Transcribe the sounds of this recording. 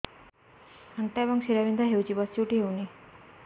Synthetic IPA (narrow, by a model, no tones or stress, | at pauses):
aŋɡʈabəŋɡɕiɾaʋind̪ʱaɦewt͡ɕiːbəst͡ɕuʈiːɦewni